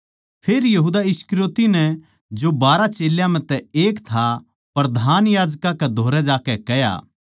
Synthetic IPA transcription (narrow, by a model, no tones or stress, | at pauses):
pʰeːɾjɐɦuːd̪aɪskɾjoːt̪inɛ | d͡ʒobaːɾat͡ʃeːljãmɛ̃t̪ɛeːkt̪ʰa | pɾɐd̪ʱaːnjaːd͡ʒkãkɛd̪ʱoːɾɛd͡ʒaːkɛkɛja̰ː